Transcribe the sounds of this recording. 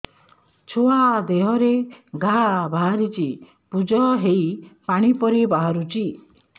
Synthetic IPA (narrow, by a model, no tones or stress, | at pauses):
t͡ʃʰoad̪eɦɔɾeɡʱabʱaɾit͡ʃi | pud͡ʒɔɦejpaɽ̃ipɔɾibaɦaɾut͡ʃi